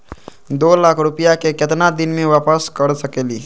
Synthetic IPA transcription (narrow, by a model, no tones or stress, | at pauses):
d̪oːlaːkʰɾʊpəjakekɪt̪nad̪ɪnmẽʋaːpəskəɾsəkeːliː